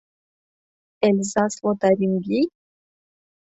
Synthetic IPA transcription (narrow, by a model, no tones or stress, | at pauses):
elzaswot̪aɾimbʲi